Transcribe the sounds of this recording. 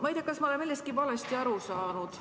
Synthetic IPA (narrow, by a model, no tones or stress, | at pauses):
mɑjd̪̥ʲɑkɑsmɑole̞melːest̪kivɑlest̪iɑɾusɑːnud̪̥